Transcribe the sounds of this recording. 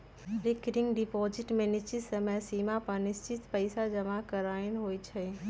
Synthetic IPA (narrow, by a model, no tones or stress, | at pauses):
ɾɪkɖɪŋɡɖɪpɔːd͡ʒɪʈmẽnɪst͡ʃɪt̪səməjsiːmapəɾnɪst͡ʃɪt̪pəɪsad͡ʒəmakəɾaːnɦoːit͡ʃʰə